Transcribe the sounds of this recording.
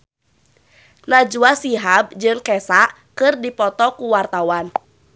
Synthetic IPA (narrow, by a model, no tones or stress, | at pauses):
nad͡ʒuasiɦab̚d͡ʒɨŋkɛsaʔ | kɨrdipɔt̪ɔkuwart̪awan